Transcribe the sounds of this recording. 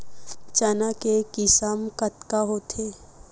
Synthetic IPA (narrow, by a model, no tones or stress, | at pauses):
t͡ʃanakekɪsamkət̪kaɦot̪ʰeː